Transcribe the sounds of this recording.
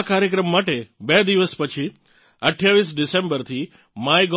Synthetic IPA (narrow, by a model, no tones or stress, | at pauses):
kaɾjəkɾəmːaʈebed̪iʋəspət͡ʃʰi | əʈʰjaʋisɖɪsẽmbəɾt̪ʰi | majɡ